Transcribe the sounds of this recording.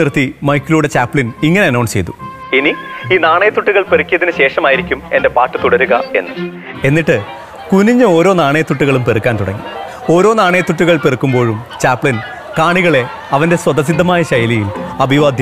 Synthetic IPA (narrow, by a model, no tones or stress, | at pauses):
irt̪ːimɐjkːiluːɽe̞t͡ɕaːpːɭiniŋːɐne̞ɐnɐwɳɖt͡ɕe̞jt̪u̥ | iniiːnaːɳɐjɐt̪ːuʈːuɣɐɭperikːijɐðinɨɕe̞ːʂɐmaːjiɾikʲːume̞nde̞paːʈːɨt̪uɽɐɾuɣɐe̞̰nːɨ | e̞nːiʈːɨ | kuniɲːɨo̞ːɾo̞ːnaːɳejɐt̪ːuʈːuɣɐɭumperɨkʲːaːnt̪uɽɐ̰ŋːḭ | o̞ːɾo̞ːnaːɳɐjɐt̪ːuʈːuɣɐɭperukːumbo̞ːɻumt͡ɕaːpːɭin | kaːɳiɣɐɭe̞ | ɐʋɐnde̞swɐd̪ɐs̬id̪ʱːɐmaːjɐɕɐjɐlijilɐbʱiʋaːd̪ʱjɐ